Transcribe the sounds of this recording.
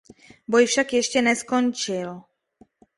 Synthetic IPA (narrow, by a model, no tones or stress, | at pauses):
bojfʃakjɛʃcɛnɛskont͡ʃɪl